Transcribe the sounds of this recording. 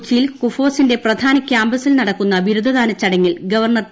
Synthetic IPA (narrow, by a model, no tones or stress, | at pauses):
t͡ɕːijilkufo̞ːsinde̞prɐd̪ʱaːnɐkʲːaːmbɐsilnɐɽɐkːunːɐʋiɾud̪ʱɐðaːnɐt͡ɕːɐɽɐŋːilɡɐʋɐrɳɐr